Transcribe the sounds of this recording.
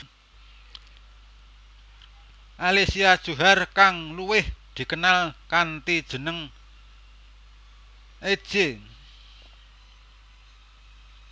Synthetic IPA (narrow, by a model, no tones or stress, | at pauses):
ʔalesiad̥ʒ̥ṳɦarkaŋluwɪhd̪̥i̤kənalkant̪id̥ʒ̥ə̤nəŋ | ʔe̥ʒ̥e